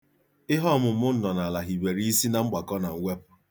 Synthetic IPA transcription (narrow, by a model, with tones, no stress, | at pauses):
ɪ˦ɦɔ˦˨mʊ˨m̩˨mʊ˦n̩˦nɔ˨na˨la˨ɦi˨be˨ɾi˦i˦si˦na˨ŋ͡m̩˦ɡ͡ba˨kɔ˦na˨ŋ̩˦wʷe˦pʊ˨